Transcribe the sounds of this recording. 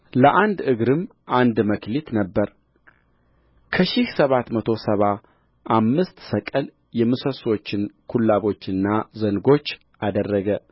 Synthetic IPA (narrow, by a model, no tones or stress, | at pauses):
ləʔand̪ɨɡɾɨm | ʔand̪məklit̪nəbːəɾ | kʰəʃɪhsəβat̪mət̪ʰo̞səβa | ʔamːɨst̪səkʼəl | jɛmɨsəso̞t͡ʃːɪnkʰulːaβo̞t͡ʃːɨnːazəŋɡo̞t͡ʃː | ʔad̪ərːəɡə